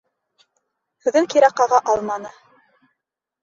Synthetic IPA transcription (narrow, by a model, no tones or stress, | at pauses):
hɵ̆ðɘŋkiɾæqɑʁɑʔɑlˠmɑnɤ